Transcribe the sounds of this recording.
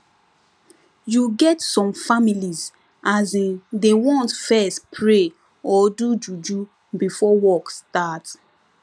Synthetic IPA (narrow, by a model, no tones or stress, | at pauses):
juɡɛtsɔ̃mfamiliz | azĩdewɔ̃ntfɛstpʰɹe | ɔdud͡ʒud͡ʒu | bifɔwɔkstat